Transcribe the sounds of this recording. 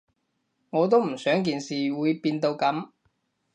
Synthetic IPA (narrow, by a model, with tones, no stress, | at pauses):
ŋɔː˨˧t̪o˥wm̩˨˩sœː˨˥ŋk̬iː˨˧nsiː˨wuː˨˧jpiː˧nt̪o˧wkɐ˨˥m